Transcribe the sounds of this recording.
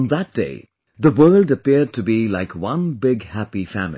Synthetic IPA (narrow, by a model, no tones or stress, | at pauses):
nðət̚d̥ḛɪ | ðəwɜ˞lˠdəpɪɹd̚tʰɨbilaɪkʰwʌ̃nbɪɡhæpifæ̰ml